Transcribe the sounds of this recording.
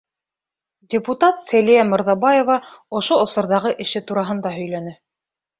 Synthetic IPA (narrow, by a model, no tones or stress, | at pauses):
dʲɪput̪at̪sælijæmɤ̆ɾðɑbɑjevɑŏʃoŏsɤ̆ɾðɑʁɤʔɘ̆ʃɘt̪uɾɑɦɤ̆nd̪ɑɦɵ̆jlænɘ